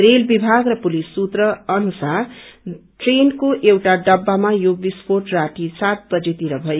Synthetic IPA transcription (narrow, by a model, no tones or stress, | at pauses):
ɾelbibʱaɡrʌpulisːut̪rʌʌnusar | ʈrenkoʔewʈaɖʌbːamajobispʰoʈraʈisat̪̚bʌd͡zet̪iɾʌbʱʌje